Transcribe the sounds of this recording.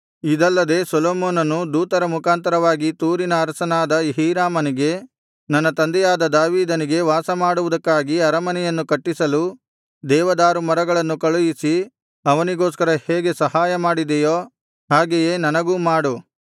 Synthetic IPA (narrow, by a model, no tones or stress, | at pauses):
id̪ɐlːɐd̪e̞ːsɔloːmoːnɐnːud̪uːt̪ɐɾɐmukʰaːnt̪ɐɾɐʋaːɡit̪uːɾinɐːɾsɐnaːd̪ɐɦiːɾaːmɐniɡe̞ | nɐnːɐt̪ɐnd̪ɛjaːd̪ɐd̪aːʋiːd̪ɐniɡe̞ʋaːsɐmaːɽuʋud̪ɐkːaːɡiɐɾɐmɐnɛjɐnːukɐʈːisɐlu | d̪ɛːʋɐd̪aːɾumɐɾɐɡɐɭɐnːukɐɭujisi | ɐʋɐniɡoːskɐɾɐheːɡe̞sɐhaːjɐmaːɽid̪ɛjoː | ɦaːɡeje̞ːnɐnɐɡuːmaːɽu